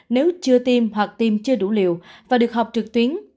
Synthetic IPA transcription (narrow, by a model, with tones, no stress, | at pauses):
ne˨˦wt͡ɕɨ˧ət̪i˧mɦwa˨˩k̚t̪i˧mt͡ɕɨ˧əɗṵ˧˩lḭ˧˨əwvaː˨˩ɗɨ˨˩ək̚ɦa˨˩wk͡p̚t͡ɕɨ˨˩k̚t̪wi˨˦ən